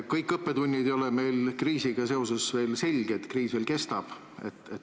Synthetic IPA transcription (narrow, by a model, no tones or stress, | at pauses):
kɤjkːˑɤpːe̞d̪unʲːid̪ejo̞lɛme̞jlkriːsiɡ̥ɑse̞o̞se̞sve̞ːlse̞lʲɡ̥eet̪kriːsveːlke̞st̪ɑb̥ | e̞̰t̪ːˑet̪